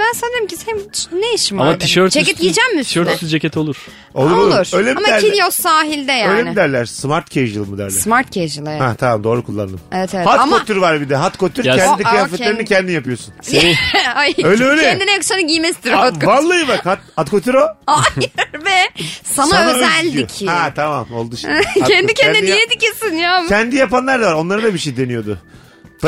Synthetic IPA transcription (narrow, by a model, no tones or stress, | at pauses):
bænsɛnd̪eɾimcist͡ʃnejeʃimamat̪ʰiʃøɾt̪d͡ʒeɛt̪ɡid͡ʒɛmmii̥ʃøɾt̪ʰysyd͡ʒecʲɛt̪ʰo̞lˠuɾ̥ | olˠuɾolˠuuɾøjlʲeiamaæɾinijosaːɦilʲd̪ɛjaøːjlʲenɪd̪æɾlʲæɾ̥smaɾt̪cʰejʒɯlˠɯmud̪æ̰ɾlʲɛ̰ɾsmaɾt̪̚cʰejʒɯlˠɯhɛt̪ʰamamd̪o̞ːɾukʰulˠːa̰nd̪ɯmevɛt̪evɛhat̪kkot̪yɾvaɾbid̪ɛɦat̪kʰot̪ʰyɾɛnikɯjaːfɛt̪lʲeɾinicʰɛnd̪inijapɯjo̞sun | ajøjlʲɛøjlʲɛɛnd̪inɛjksanaɟimɛst̪iɾat̪kvalˠːajɯbakhat̪̚at̪kʰot̪ʰiɾoajɾbɛsamaælʲd̪iijohɛt̪ʰamamolˠd̪uʃaɛnd̪icʰɛnnd̪nijɛd̪icisinjaːmʲʰɛnd̪ijapanlˠaɾd̪avaɾo̞nˠaɾɯd̪abiʃejd̪e̞nijo̞d̪ʊ̰